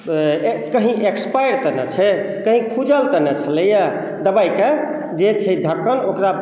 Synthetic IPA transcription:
kəɦĩʔekspajɾt̪ənət͡ʃʰɛ | kəɦĩkʰud͡ʒəlt̪ənət͡ʃʰələjə | d̪əbajke | d͡ʒet͡ʃʰɛd̪ʱəkːənokɾa

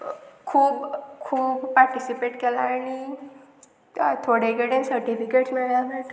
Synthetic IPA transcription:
kʰuːbkʰuːbːaɾʈisipeʈkelaːɽ̃i | t̪ʰoɽeɡeɽensəɾʈifikeʈsmiɭjameʈ

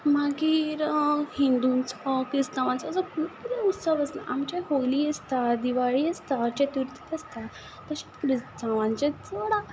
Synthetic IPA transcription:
maɡiːɾhind̪unt͡sɔkɾist̪ãʋãnt͡sɔt͡səkukid̪ɛut̪səʋəsla̰ʔamt͡ɕaɦoliəst̪ad̪iʋaɭiəst̪at͡ɕet̪iɾt̪i̥t̪əst̪a | t̪əɕit̪kɾist̪ãʋãɲt͡ɕet͡səɽa

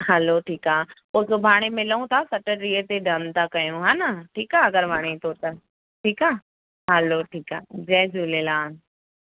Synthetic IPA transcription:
ɦɛloʈʰiːkaːpoːsobʱaːɽ̃emɪləũt̪ʰasɐʈəɾiət̪eɖʱɐnt̪ʰakɐjũɦaːnaʈʰiːkaːɐɡəɾbʱaːɽ̃et̪ʰot̪ɐ | ʈʰiːkaː | ɦɛloːʈʰiːkaːd͡ʑɛːd͡ʑuːlelaːn

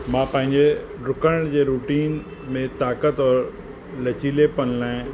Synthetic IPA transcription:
mãːpə̃ɦɪ̃ɲd͡ʑe | ɾʊkə̃d͡ʑeɾuːʈiːn | mẽt̪aːkət̪ɔːɾ | lɐt͡ɕiːlepɐnlãːẽ

